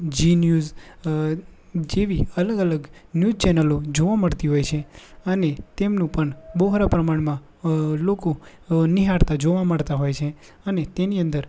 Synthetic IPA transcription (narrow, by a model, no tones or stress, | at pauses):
d͡ʒinjuz | d͡ʒeʋiələɡələɡnjuzt͡ʃɛnəlod͡ʒoʋaməɽt̪iɦojt͡ʃʰeənet̪emnũpəɳboɦɾapɾəmaɽmã | loko | niɦaɽt̪ad͡ʒoʋaməɭt̪aɦojt͡ʃʰe | ənet̪eniə̃nd̪əɾ